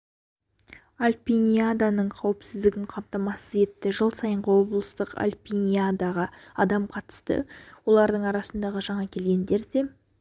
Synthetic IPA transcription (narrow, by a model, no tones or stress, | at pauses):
alʲpʲinʲijad̪anəɴqʰɑwɪpsɪzd̪ɪɡʲɪɴqʰɑmt̪ɑmɑsəze̞t̪ːɪʒəlˠsɑjəɴʁəwo̞blˠəst̪əqa̰lʲpʲinʲijad̪aʁɑɑd̪ɑmqʰɑt̪ə̥st̪ə̰wo̞lˠɑɾd̪əɴɑɾɑsənd̪ɑʁəʒɑɴɑkʲʰe̞lɡʲe̞nd̪e̞ɾd̪e̞